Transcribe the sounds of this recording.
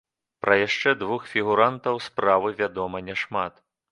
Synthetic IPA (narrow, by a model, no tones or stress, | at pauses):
pɾɐjaʂt͡ʂɛd̪vuxfʲiɣuɾant̪ɐwspɾavɨvʲad̪ɔmɐnʲɛʂmat̪